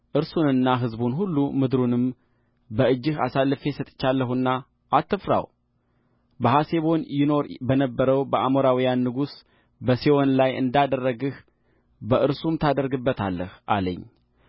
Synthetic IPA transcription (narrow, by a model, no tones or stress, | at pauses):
ʔɨɾsunɨnːaɦɨzbunɦulːumɨd̪ɾunɨm | bəɨd͡ʒːɨhasalːɨfesət̪ʼt͡ʃːalːəɦunːa | ʔːt̪ːɨfɾa̰w | bəɦase̞βo̞njɪno̞ɾbənəbːəɾəwbəʔamoɾawijanːɨɡus | bəsewonlajɨ̰nd̪ad̪ərːəɡɨh | bəʔɨɾsumt̪ʰad̪əɾɡɨbːət̪ʰalːəhʔalə̰ɲː